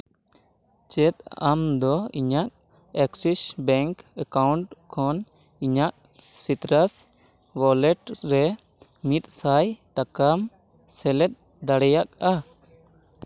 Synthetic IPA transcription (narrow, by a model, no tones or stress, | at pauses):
t͡ʃɛt̪̚amd̪ɔiɲak̚ | ɛksisbɛŋkəkawɳʈkʰɔn | iɲaʔ | sit̪ɾas | wɔlɛʈɾɛ | mit̪̚sajt̪akam | sɛlɛt̪̚ | d̪aɽɛjak̚a